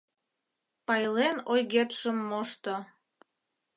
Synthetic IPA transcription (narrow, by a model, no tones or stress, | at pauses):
pɑjlenojɣet̪ʃə̆mːoʃt̪o